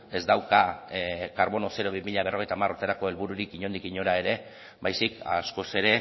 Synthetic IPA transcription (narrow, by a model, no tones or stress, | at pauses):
e̞zd̪awka | kaɾβo̞no̞se̞ɾo̞βimiʎaβ̞e̞rʔo̞ɣ̞ejt̪amaɾruɾt̪eɾako̞e̞lβuɾuɾikiɲo̞nd̪ikiɲo̞ɾae̞ɾe̞ | bajsika̰sko̞se̞ɾe̞